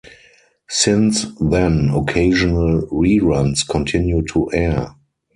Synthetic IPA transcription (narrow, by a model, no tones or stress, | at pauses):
sɪ̃nsðɛ̃nɔkʰeɪʒɔnəlɹiːɹãnskʰɔ̃ntʰɪ̃njutʰuʔɛ